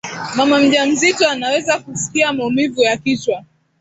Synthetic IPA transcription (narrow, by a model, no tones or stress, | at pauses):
mamam̩ʄam̩zitɔanawɛzakusi̥kiamaumivujakit͡ʃwa